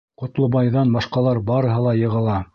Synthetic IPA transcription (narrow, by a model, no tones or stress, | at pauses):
qŏt̪lˠɤ̆bɑjðɑnbɑʃqɑlˠɑɾbɑɾɤ̆ɦɤlˠɑjɤ̆ʁɤ̆lˠɑ